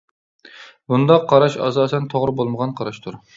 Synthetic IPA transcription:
bund̪ɑqʰːɑɾɑʃɑ̰sɑːsɛnt̪ʰoʁɾɨbolˠməʁɑnqʰɑɾɑʃt̪ʰʊɾ

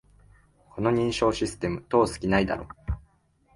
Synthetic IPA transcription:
kʰo̞no̞ɲ̟ĩɰ̃ɕo̞ːɕisɨ̥t̪e̞mɯ̟t̪o̞ːsɨ̥kʲinaid̪a̰ɾo̞ː

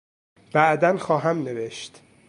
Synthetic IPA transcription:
b̥æʔd̪ænxɒːɦæmneveʃt̪

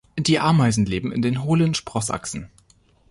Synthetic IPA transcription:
d̥iːʔaɐmaɪzn̩leːbm̩ɪ̰ndeːnɦoːlənʃpʁ̥ɔsʔa̰ksn̩

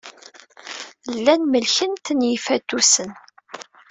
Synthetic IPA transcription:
lːænməlçənt̪ːənjifæt̪ːusən

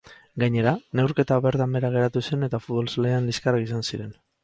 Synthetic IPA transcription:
ɡaɲe̞ɾane̞wɾke̞t̪aβe̞ɾt̪ambe̞ɾaɣ̞e̞ɾat̪use̞ne̞t̪afut̪βo̞lsaleanliskarakisansiɾe̞n

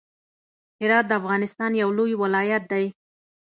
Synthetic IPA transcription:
hɪɾɑt̪̚d̪əafɣɑnɪst̪ɑnjawlojwɪlɑjat̪̚d̪aj

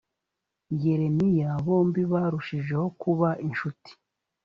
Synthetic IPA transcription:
ɲɟe̞ɾe̞nijaβo̞ːmbiβaɾuʃiʒe̞ho̞kuβaʔinʃuti̥

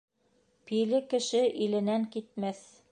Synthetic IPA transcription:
pilɘkɘ̆ʃɘʔilɘ̆næŋkit̪̚mæθ

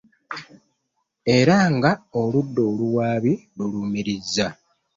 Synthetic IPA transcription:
e̞ɾaŋɡaoludːo̞ːluwaːβiluluːmiɾizːa

